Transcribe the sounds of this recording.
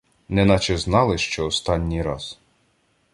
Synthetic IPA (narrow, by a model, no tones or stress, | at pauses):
nɛnɑt͡ʃɛznɑlˠɪʃt͡ʃɔɔst̪ɑnʲːijɾɑz